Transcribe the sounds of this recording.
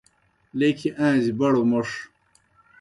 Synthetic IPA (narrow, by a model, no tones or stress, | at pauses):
lekʰiʔãːzibɐɽomoʂ